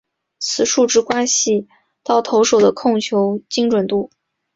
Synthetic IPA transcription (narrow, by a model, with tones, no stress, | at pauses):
t͡sʰɹ̩˨˩ʂu˥˧ʈ͡ʂɻ̩˥kwa˥nɕi˥˩ | t̪ɑ˥˩ʊt̪ʰo˧˥ʊʂo˨˩ʊd̪ə˦kʰʊ˥˩ŋt͡ɕʰjo˧˥ʊt͡ɕi˥ŋʈ͡ʂwə˨˩nt̪u˥˩